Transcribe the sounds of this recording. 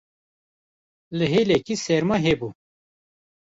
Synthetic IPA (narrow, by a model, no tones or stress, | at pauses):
ləɦelekiseːɾmɐɦebu